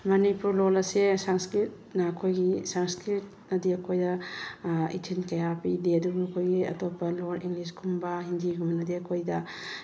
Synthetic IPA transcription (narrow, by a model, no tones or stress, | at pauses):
mɐnipuɾlolɐsesaŋskɾit̚nɐːkʰojɡisaŋskɾit̚ | nɐdiɐkʰojdɐ | ḭtʰinkɐjapideɐduɡuɐkʰojɡiɐ̰topːɐloɾiŋliskʰumbɐɦindiɡumnɐdiɐkʰojdɐ